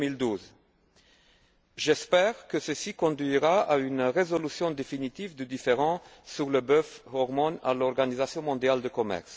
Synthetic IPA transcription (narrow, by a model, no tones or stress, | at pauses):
mild̪uz | ʒɛspɛʁkəsəsikɔ̃d̪ɥiʁaaynʁezɔlysjɔ̃d̪efinit̪ivd̪əd̪ifeʁɑ̃syʁləbøfhɔʁmɔna̰lɔʁɡanizasjɔ̃mɔ̃d̪jald̪əkɔmɛ̰ʁs